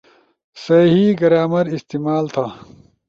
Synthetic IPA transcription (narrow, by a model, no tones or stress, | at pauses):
sɐɦiɡɐɾaːmɐɾist̪iːmaːlt̪ʰa